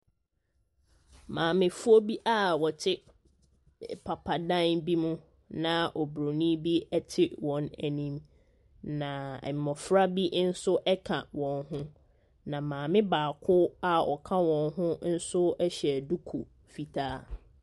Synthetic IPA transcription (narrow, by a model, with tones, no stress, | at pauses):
mãː˨mɪ̃˨fʊ˦o˦bi˦ʔa˨wɔ˨tʰɪ˦ | pʰa˨pʰa˨dã˦nbi˦mũ˦ | nã˨ʔɔ˨bɾo˨nĩ˦bi˦ɛ˦tʰɪ˦wɔ̃˨nɛ˨nĩ˦m | nã̰˨m˨mɔ˨fɾa˦bi˦n̩˦sʊ˦ʔɛ˦kʰã˨wɔ̃˨nɦʊ̃˦ | nã˨mãː˨mɪ̃˦baː˨kʰʊ˦a˨ɔ̰˨kʰã˦wɔ̃˨nɦʊ̃˦n̩˦sʊ˦ɛ˦ɕɛ˨du˦kʰu˨ | fi˨tʰaː˦